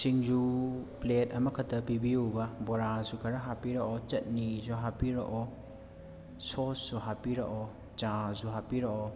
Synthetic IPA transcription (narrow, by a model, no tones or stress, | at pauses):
siŋd͡ʒuplet̚ɐmɐkʰɐtʰɐpibiubɐbɔɾazukʰɐɾɐɦapiɾaʔɔt͡ʃɐt̚nizuɦapiɾo̰ʔɔ | sosːuɦapiɾa̰ʔɔ | t͡ʃãzuɦapiɾaʔɔ